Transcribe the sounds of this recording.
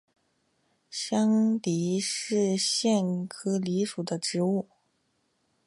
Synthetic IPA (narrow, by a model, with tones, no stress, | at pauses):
ɕjɑ˥ŋt̪i˧˥ʂɻ̩˥˧ɕjɛ˥˩nkʰɤ˥li˧˥ʂu˨˩d̪ə˦ʈ͡ʂɻ̩˧˥u˥˩